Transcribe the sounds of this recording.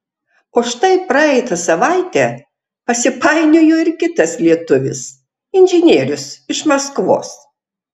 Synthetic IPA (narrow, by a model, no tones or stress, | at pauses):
ʊʃt̪ɐɪpɾɐɛɪt̪ɐsɐʋɑˑɪt̪ʲɛː | pɐsʲɪpɐɪnʲojoːɪɾkʲɪt̪ɐslʲiɛt̪ʊʋʲɪ̰s | ɪnʲʒʲɪnʲeːɾʲʊsɪʃmɐskʋo̰ːs